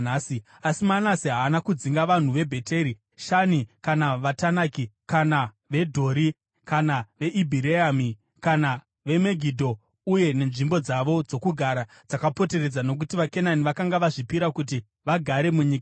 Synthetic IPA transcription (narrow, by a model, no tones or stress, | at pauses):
naːsi | asimanasiɦaːnakud͡ziŋɡaʋan̤uʋe̞bʱe̞te̞ɾi | ʃanikanaʋatanakikana | ʋe̞dʱo̞ːɾi | kanaʋe̞ʔibʱiɾeami | kana | ʋe̞me̞ɡʱidʱo̞ | uje̞ne̞nʐimbo̞d͡zaʋo̞d͡zo̞kuɡʱaɾa | d͡zakapo̞te̞re̞d͡zano̞k̬utiʋake̞naniʋakaŋɡaʋaʐipiɾakut̬i | ʋaɡʱaɾe̞muɲiːka